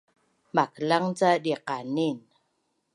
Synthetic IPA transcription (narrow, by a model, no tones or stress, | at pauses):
makəlaŋt͡sadiqanin